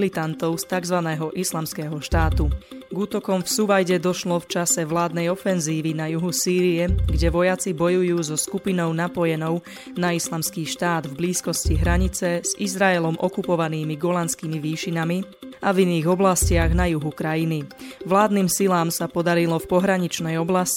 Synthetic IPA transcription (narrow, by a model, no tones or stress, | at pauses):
lit̪ant̪ɔʊst̪aɡzʋanɛːɦɔʔislamskɛːɦɔʃt̪aːt̪uɡuːt̪ɔkɔmfsuʋajɟɛd̪ɔʃlɔft͡ʃasɛʋlaːd̪nɛjɔfɛnziːʋinajuɦusiːɾiɛɡɟɛʋɔjat͡sibɔjujuːzɔskupinɔʊnapɔjɛnɔʊ | naislamskiːʃt̪aːd̪vbliːskɔsciɦɾaɲit͡sɛz̥izɾaɛlɔmʔɔkupɔʋaniːmiɡɔlanskiːmiʋiːʃinami | aviniːɣɔblascɪaɣnajuɦukɾajiniʋlaːd̪niːmsilaːmsapɔd̪aɾilɔfpɔɦɾaɲit͡ʃnɛjɔblasci̥